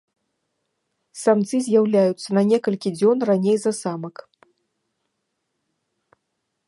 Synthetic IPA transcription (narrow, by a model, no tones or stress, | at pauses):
samt̪sɨzʲjawlʲajut̪sːɐnɐnʲɛkɐlʲkʲid͡zʲɔnranʲejzɐsamɐk